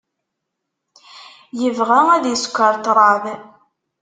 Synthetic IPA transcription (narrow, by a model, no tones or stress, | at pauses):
jəvʁææðjəskʷːəɾˤt̪ɾˤɑð